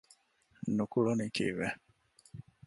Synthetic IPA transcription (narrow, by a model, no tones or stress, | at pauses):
nukulonikḭβɛ